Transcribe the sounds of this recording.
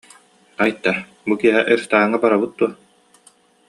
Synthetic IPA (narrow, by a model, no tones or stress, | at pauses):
ajt̪ːa | bukiɛɦɛʔiɾst̪aːŋabaɾabɯt̪̚d̪uɔɐ